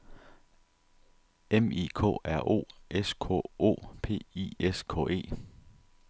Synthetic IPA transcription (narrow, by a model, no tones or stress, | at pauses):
emḭkʰɔ̰̽æɐ̰ʔo̝̰ːʔeskʰɔ̰o̝̰ːpʰe̝̰ːḭeskʰɔ̰̽ːe̝̰ː